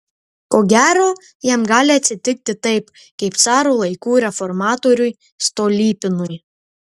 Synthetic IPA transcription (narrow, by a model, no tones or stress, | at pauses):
koːɡʲæːɾoː | jɛmɡɑːlʲɪɐt̪ʲsʲɪt̪ʲɪk̚t̪ʲɪt̪ɐɪp | kɐɪp̪sɑːɾolˠɐɪkuːɾʲɛfɔɾmɑːt̪oɾʲʊj | st̪oːlʲiːpʲɪnʊj